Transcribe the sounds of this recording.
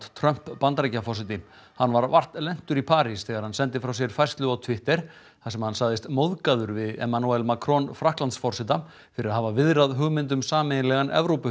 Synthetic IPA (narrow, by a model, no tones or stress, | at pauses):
t̪t̪ʰɾœm̥pːant̪ɾejcafɔrsɪt̪in | hanːvaɾvar̥t̪lɛn̥t̪ʏɾipʰaːɾisθɛːɣaɾ̥hansɛnt̪̬ɪfɾaws̬jɛɾ̥fajrst̪lʏawt̪ʰvɪht̪ɛɾ̥ | θasɛmhansaɣðɪst̪mowðkaðʏɾvɪðɛ̰manuɛlmakʰɾɔnfɾahklant̪sfɔr̥sɪt̪a | fɪɾɪɾaðɦavavɪðɾaðɦʏɣmɪnt̪̬ʏmsaːmɪnlɛɣanʔɛ̰vɾowpʏ